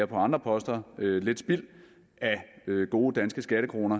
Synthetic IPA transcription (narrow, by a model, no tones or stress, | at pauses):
ɐpʰɒ̽ɑ̈nd̥ʁɐpʰɒ̽sd̥ɐøle̝d̥sb̥il̰ | æøɡ̥o̝ːəd̥ænsɡ̥əsɡ̥æɾ̥əkʰʁo̝̰ːnɐ